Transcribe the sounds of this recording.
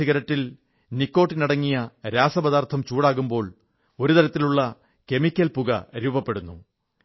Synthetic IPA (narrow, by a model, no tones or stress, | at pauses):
iɣɐɾɐʈːil | nikːo̞ːʈːinɐɽɐŋːijɐɾaːsɐbɐðaːrt̪ʰɐmt͡ɕuːɽaːɣumbo̞ːɭ | o̞ɾut̪ɐɾɐt̪ːiluɭːɐ | ke̞mikʲːɐlpuɣɐ̰ɾuːbɐpːe̞ɽunːṵ